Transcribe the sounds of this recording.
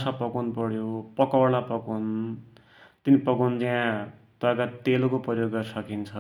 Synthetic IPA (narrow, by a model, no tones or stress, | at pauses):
sapʌkunpʌɽjopʌkʌwlapʌkun | t̪inipʌkund͡zaã | t̪ʌkat̪elokoprʌjoɡːʌɾsʌkint͡sʰʌ